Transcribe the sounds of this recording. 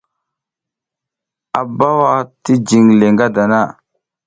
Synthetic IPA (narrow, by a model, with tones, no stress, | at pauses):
a˨ba˦wa˦ti˦d͡ʒi˨ŋle˨ŋɡa˦da˨na˦˨